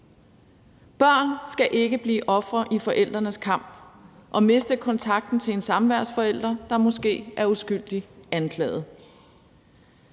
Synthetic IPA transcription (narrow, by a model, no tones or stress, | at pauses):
b̥ɶɐ̰nsɡ̥æʔe̝ɡ̥əb̥lḭːʔɒ̽fʁɐʔifɒ̽ʔel̰d̥ʁɐnəskʰɑ̈m̰b̥ʔɒ̽me̝sd̥əkʰɒ̽nt͡sʰɑ̈ɡ̥̚d̥n̩t͡sʰe̝le̝nsɑ̈mʋæɐ̰sfɒ̽el̰d̥ʁɐd̥ɑ̈mɒ̽sɡ̥e̝̰ːʔæɐusɡ̥yl̰d̥iænkʰlɛ̰ːð̩ˠ